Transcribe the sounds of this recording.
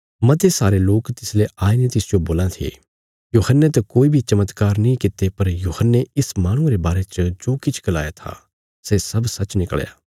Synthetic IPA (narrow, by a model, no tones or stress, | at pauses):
mɐ̃t̪esaːɾeloːkt̪ɪsleʔaːenẽt̪ɪsd͡ʒoboːlãt̪ʰḛː | juːhənːet̪ɐkoːibʱit͡ʃɐmət̪kaːɾnɐĩkɪt̪epɐɾjuːhənːeɪsmaːɽ̃ʊ̃ɾebaːɾet͡ʃd͡ʒoːkɪt͡ʃʰɡɐlaːjat̪ʰa̰ | seːsɐbsɐt͡ʃnɪkɭja̰ː